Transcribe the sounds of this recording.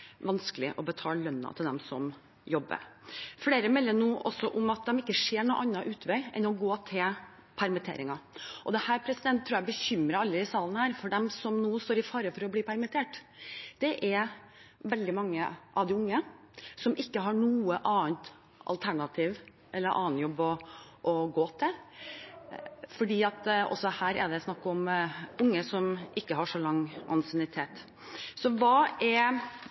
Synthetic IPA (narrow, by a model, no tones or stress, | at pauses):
ʋɑnskəlɪʔɔbət̪ʰɑːllœnːɑ̰t̪ʰɪld̪ɛ̰msɔ̰m | jɔbːə̰ɾfleːɾəmɛlːəɳuːʔɔsːɔʔʊmɑt̪̚d̪ɛmɪkːəʂeːɳuːʔɑnːɑʔʉːt̪ʰʋɛɪɛ̰nɔɡoːt̪ʰɪl | pʰæɾmɪt̪ʰḛːɾɪŋɑʔɔd̪ɛhæːɾpʰɾɛsɪd̪ɛnt̪ʰːɾuːjæbəçʏmɾəɑlːəɪsɑːlənhæːɾfɔɖɛmsɔmnuːst̪oːɾɪfɑːɾəfɔɾɔbliːpʰæɾmɪt̪ʰeːʈ | d̪̥ɛʔɛɾ | ʋɛld̪ɪmɑŋːəʔɑʋd̪ɪʊŋːə | sɔmʔɪkːəɦɑɳuːəʔɑːənt̪ | ʔɑ̰lt̪ʰæɳɑt̪ʰiːʋ | ʔɛlːəɾʔɑ̰ːnjɔbːɔ | ʔɔɡoːt̪ʰɪl | fɔɖiːɑt̪ɔ̰sːɔhæːɾɛ̰d̪ɛsnɑkːɔmʔʊŋːəsɔmʔɪkːəɦɑʂɔlɑŋːʔɑ̰nsɛnɪt̪ʰeːt̪ | sɔʋɑːɛ